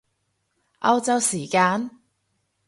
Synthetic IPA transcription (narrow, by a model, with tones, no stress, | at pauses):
ʔɐ˧wt͡sɐ˧wsiː˨˩kaː˧n